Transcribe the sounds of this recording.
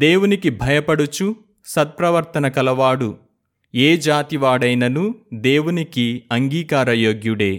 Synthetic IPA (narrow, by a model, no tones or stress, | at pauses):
d̪e̞ːwunikibʱɐjɐpɐɽut͡ʃu | sɐt̪̚pɾɐʋɐɾt̪ɐnɐkɐlɐʋaːɽu | eːd͡ʒaːt̪iʋaːɽɐjnɐnud̪e̞ːwunikiɐŋɡiːkaːɾɐjo̞ːɡjuɽe̞ː